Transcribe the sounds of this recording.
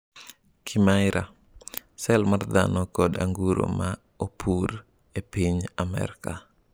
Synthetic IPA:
kʰimajɾa | sɛlmard̪a̰nɔkɔda̰ŋɡuɾo̰ma | opʰur | epiɲamɛ̰ɾka

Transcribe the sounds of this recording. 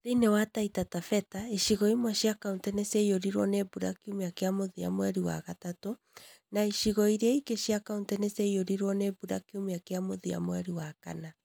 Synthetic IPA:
ɾinewataitatafɛtaiʃiɣɔimwaʃiakauntɛnɛsɛijoɾiɾwɔnebuɾa̰kiumeakeamoðia̰moɛɾiwa̰ɣatato | naiʃiɣɔiɾeaikeʃiakauntɛnɛsɛioɾiɾwɔnebuɾa̰kiumeakeamoðia̰moɛɾiwaka̰na

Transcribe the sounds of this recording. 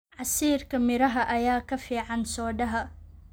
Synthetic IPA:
ʕɑsiːrkʰɐmɪɾɐɦɐʔɐjaːkʰɐfiːʕɑnsɔːɖɐɦɐ

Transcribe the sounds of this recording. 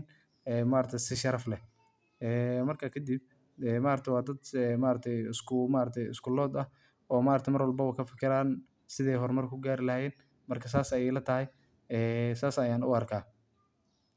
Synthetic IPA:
n | ɛːmaːɾɐt̪ʰɛjsɪʃɐɾɐflɛ | ɛːmɐrkʰɐkʰɐd̪ib̚ | ɛːmaːɾt̪ʰɛjwɑːd̪ɐd̪ɛmaːɾɐt̪ʰɛjɪskʊmaːɾɐt̪ʰɛjɪ̰skʰʊlɔːd̪ɐh | ɔːmaːɾɐt̪ʰɛjmɐrwɐlbɐwakʰɐfɪkʰɪɾaːn | sɪðɛjɦɔrmɐrkʰʊɡaːɾɪlɐjɛːn | mɐrkʰɐs̬aːsɐjɛjlɐt̪ʰɐɦɛj | ɛːsaːsɐjaːnʊɐrkʰaː

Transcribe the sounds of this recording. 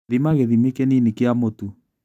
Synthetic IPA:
ðimaɣeðimekeninikeamotu

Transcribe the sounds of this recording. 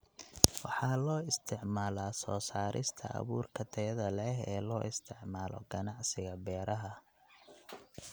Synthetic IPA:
wɑħɑːlɔːɪst̪ʰɪʕmaːlaːsɔːsaːɾʔɪ̰st̪ʰɐ̰ɐ̰βuːrkʰɐt̪ʰɛjɐðɐlɛɦɛːlɔːʔɪst̪ʰɪʕmaːlɔ̰ɡɐnɑʕsɪɣɐbɛːɾɐɦɐ

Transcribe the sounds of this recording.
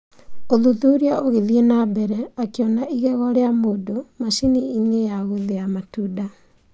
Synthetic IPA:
oðuðuɾiaʔoɣeðienabɛɾɛakeɔnaʔiɣɛɣɔɾeamoːdomaʃiniiɲejaɣuðeamatuda

